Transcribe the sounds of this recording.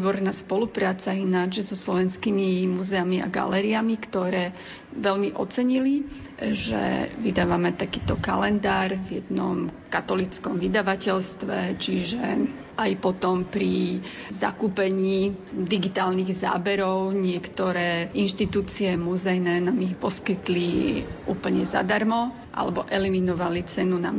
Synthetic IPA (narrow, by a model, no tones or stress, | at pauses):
bɔɾnaːspɔlupɾaːt͡sainad͡ʒzɔslɔʋɛnskimimuzɛamiʔa̰ɡa̰lɛːɾiamikt̪ɔɾɛː | ʋɛlmiʔɔ̰t͡sɛɲili | ʒɛ̰vid̪aːʋamɛt̪akiːt̪ɔka̰lɛnd̪aːɾvjɛd̪nɔmkat̪ɔlit͡skɔmʋid̪aʋacɛlst̪ʋɛt͡ʃiʒɛ | ajpɔt̪ɔmpɾi | za̰kuːpɛɲiːd̪iɡit̪aːlniɣza̰ːbɛɾɔʊɲɪɛkt̪ɔɾɛːinʃt̪it̪uːt͡siɛmuzɛjnɛːnaːmixpɔskit̪liʔuːpl̩ɲɛza̰d̪aɾmɔ | ʔa̰lɛbɔʔɛliminɔʋalit͡sɛnuna